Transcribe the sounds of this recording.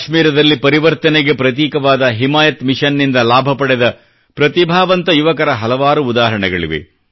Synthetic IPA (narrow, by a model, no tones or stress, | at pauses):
ʃmiːɾɐd̪ɐlːipɐɾiʋɐɾt̪ɐnɛɡe̞pɾɐt̪̬iːkɐʋaːd̪ɐɦimaːjɐt̪miʃɐnːind̪ɐlaːbʱɐpɐɽɛd̪ɐ | pɾɐt̪ibʱaːʋɐnt̪ɐjuʋɐkɐɾɐɦɐlɐʋaːɾuːd̪aːɦɐɾɐɳɛɡɐɭḭʋḛ